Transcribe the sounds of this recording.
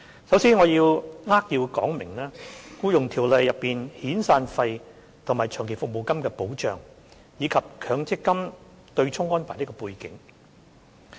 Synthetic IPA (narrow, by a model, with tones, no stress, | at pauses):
sɐ˨˥wsiː˥nŋɔː˨˧jiː˧wŋaː˥k̚jiː˧wkɔ̰ː˨˥ŋmɪ˨˩ŋlaː˥kuː˥jʊ˨ŋt̪ʰiː˨˩wlɐ˨jːɐ˨pːiː˨nhiː˨˥nsaː˧nfɐ˧j | t̪ʰʊ˨˩ŋmaː˨˩jt͡ʃʰœː˨˩ŋkʰe˨˩fʊ˨k̚mo˨wkɐ˥mkɛː˧po˨˥wt͡ʃœ̰ː˨ŋ | jiː˨˧kʰɐ˨p̚kʰœː˨˧ŋt͡sɪ˥kːɐ˥m | t̪ɵ˧ɥt͡sʰʊ˥ŋːɔː˥npʰaː˨˩niː˥kɔː˧puː˧jkɪ˨˥ŋ